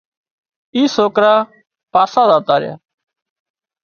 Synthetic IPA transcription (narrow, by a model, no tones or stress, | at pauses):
iːsoːkɾaː | paːsaːzaːt̪aːɾɪja̰ː